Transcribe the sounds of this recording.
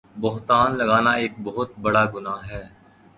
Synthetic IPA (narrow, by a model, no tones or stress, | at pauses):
bʊɦt̪aːnlɐɡaːnaeːk̚bɔɦʊt̪̚bɐɽaːɡʊnaːɦɛː